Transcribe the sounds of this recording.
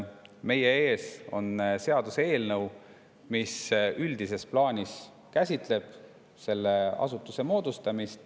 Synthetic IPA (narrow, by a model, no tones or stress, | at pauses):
me̞jee̞ːso̞̰nse̞ɑd̪̥use̞ːlnɤw | misyld̪̥ise̞splɑːnʲis | kæsʲit̪ˑle̞b̥ | se̞lːe̞ɑ̰sut̪ːˑuse̞mo̞ːd̪̥ust̪ɑmist̪